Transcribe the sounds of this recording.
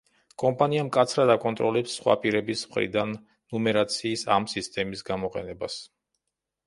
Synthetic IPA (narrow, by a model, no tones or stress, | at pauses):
kʼɔmpʼaniamkʼat̪sʰɾad̪akʼɔnt̪ʼɾɔlɛpsːχwa̰pʼiɾɛbismχɾḭd̪anː | umɛɾat̪sʰiːsa̰msist̪ʼɛmisɡamɔqʼɛnɛbas